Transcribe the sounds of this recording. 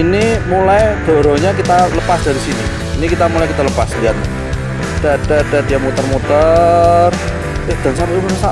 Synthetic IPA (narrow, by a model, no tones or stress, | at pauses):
inimulajd̥o̤ɾo̤ɲakit̪aləpasda̤ɾisiniː | nikit̪amulajkit̪aləpasdiat̪̚ | d̥ad̥ad̥adijamut̪ərmut̪ər | ɛd̪̥a̤nsampaimnasa